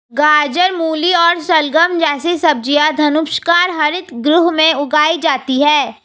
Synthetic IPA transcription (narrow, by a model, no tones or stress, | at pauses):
ɡaːd͡ʒəɾmuːliɔːɾsɐlɡəmd͡ʒɛːsesɐb̚d͡ʒijad̪ʱɐnʊkʃkaːɾɦɐɾɪt̪ɡɾʊɦmẽʊɡaːid͡ʒaːt̪iɦɛː